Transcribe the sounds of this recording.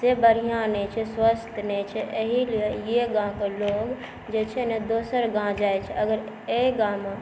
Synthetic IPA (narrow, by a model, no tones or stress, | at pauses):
sebəɾijãnet͡ʃʰɛswəst̪ʰnet͡ʃʰɛeɦiliejeɡãkeloːɡ | d͡ʒeːt͡ʃʰened̪oːsəɾɡãd͡ʒaːet͡ʃʰɛɐɡəɾ | eɡãmã